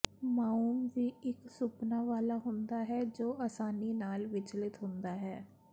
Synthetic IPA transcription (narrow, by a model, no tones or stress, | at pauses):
maːuːmʋiːɪksʊpnaːʋaːlaːɦʊnd̪aːɦɛːd͡ʒoːaːsaːniːnaːlʋɪt͡ʃlɪt̪ɦʊ̃nd̪aːɦɛː